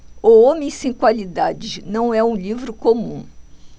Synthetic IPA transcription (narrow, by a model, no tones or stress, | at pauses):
oomẽjsẽj̃kwalid̪ad͡ʒɪnɐ̃w̃ɛũlivɾʊkomũ